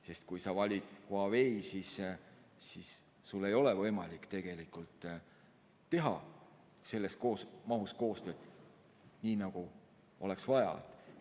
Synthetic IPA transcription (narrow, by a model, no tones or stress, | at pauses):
se̞st̪̚kujsɑvɑlʲid̪̥hoɑve̞isis | sis | sulːe̞jo̞le̞vɤ̞jmɑlʲikːt̪e̞ɡ̥e̞likult̪ˑː | e̞ɦɑ | se̞lːe̞sko̞ːsmɑɦusko̞ːst̪ø̞ːd̪ | niːnɑɡ̥u | o̞̰le̞ksvɑjɑ̰d̪̥